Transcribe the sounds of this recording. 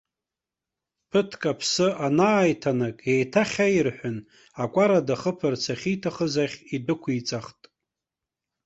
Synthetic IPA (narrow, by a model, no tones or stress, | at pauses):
pʰɨtʰkʼapʰsɨʔanaːjtʰanakʼejtʰaχʲajrħʷᶣʊn | akʷʼaɾadaχəpʰɨrt͡sʰaχʲitʰaχəzaχʲidɨkʷʰit͡sʼaχtʼ